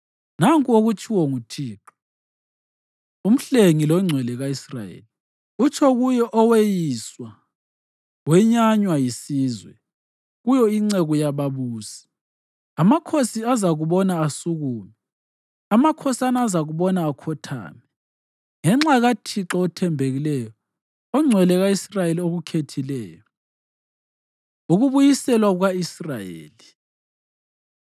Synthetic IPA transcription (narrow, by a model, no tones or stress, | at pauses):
naŋkʼuoɣut͡ʃʰiwɔŋutʰiːǁɔ | um̩ɬeŋilɔŋ͡ǀʱwɛlɛɣaisra̰jḛːli | ut͡ʃʰʼɔɣujɔʔɔwejiswa | wɛɲaɲwajisiːzwɛ̰ | ɣujɔiŋ͡ǀeɣujaβaβuːsi̥ | amakʰosiazaɣuβɔnaːsuɣuːmɛ | amakʰɔsanaːzaɣuβɔnaːkʰɔtʰa̰ːmɛ | ŋɛŋ͡ǁaɣatʰiǁɔːtʰɛmbʱeɣilɛjɔ | ɔŋ͡ǀʱwɛlɛɣaisrajelioɣukʰetʰilɛːjɔ | uɣuβujisɛlwaɣaisrajḛːli